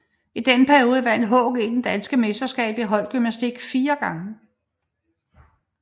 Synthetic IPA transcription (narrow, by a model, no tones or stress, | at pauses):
id̥enəpʰæɐio̝ːð̞ˠʋæn̰d̥ɦɔ̰̽ɡ̥ed̥end̥ænsɡ̥əmesd̥ɐsɡ̥ɛ̰ːb̥iɦɒ̽l̰d̥̚ɡ̥ymnæsd̥iɡ̥fiːɐɡ̥ɑ̈ŋə